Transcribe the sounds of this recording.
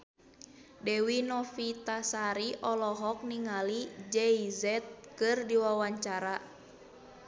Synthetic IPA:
dɛwinɔfit̪asaɾiʔɔlɔɦɔk̚niŋalid͡ʒɛizɛt̪̚kɨrdiwawaɲt͡ʃaɾa

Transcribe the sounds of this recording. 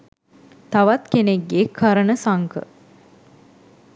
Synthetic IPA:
t̪aʋat̪keneɡekʰɐɾənəsaŋkə̰

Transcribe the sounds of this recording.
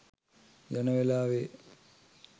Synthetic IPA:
janəʋelaːʋe

